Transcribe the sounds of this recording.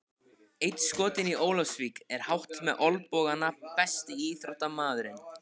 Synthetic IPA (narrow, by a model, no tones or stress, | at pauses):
ejt̪skɔːt̪ɪniʔoːwlafsvikɛɾ̥hawht̪mɛðʔɔlpɔːɣanapɛst̪ɪiθɾawt̪amaːðʏɾɪn